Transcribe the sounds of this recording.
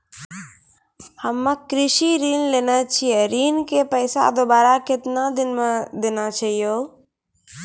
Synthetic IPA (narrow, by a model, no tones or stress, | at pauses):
həmːəkɾɪʃiɾiːnleːnat͡ʃʰieɾiːnkepɛɪsa̰d̪obaːɾakɪt̪nad̪ɪnmed̪eːnat͡ʃaːɦijoː